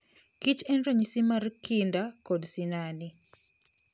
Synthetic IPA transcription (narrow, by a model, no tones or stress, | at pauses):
kit͡ʃɛnɾoɲisimarkindakɔdsinani